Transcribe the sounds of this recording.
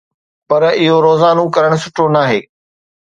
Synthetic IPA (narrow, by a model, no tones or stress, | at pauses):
pɐɾɪɦoɾoːzaːnokɐɾəɽ̃̆sʊʈʰonaːɦeː